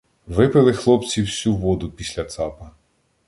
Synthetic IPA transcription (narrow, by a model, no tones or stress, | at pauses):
ʋɪpɪlˠɪxlˠɔpt͡sʲiwsʲuʋɔd̪ʊpʲisʲlʲɐt̪sɑpɐ